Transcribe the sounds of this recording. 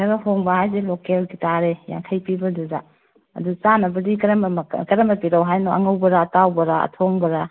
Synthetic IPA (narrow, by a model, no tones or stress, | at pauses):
ɐɾɐhoŋbɐɦajzelokelɡitaɾeja̰ŋkʰɐjpibɐduza | ɐ̰dut͡ʃanɐbɐdikɐɾɐmkɐɾɐmɐpiɾawɦajnoɐŋɐwbɐɾatawbɐɾaɐ̰tʰoŋbɐɾa